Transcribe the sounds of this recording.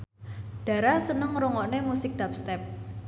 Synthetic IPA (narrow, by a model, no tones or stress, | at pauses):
ɖ̥a̤ɾasənəŋɾoŋɔʔnemusɪk̚d̥apst̪ɛp̚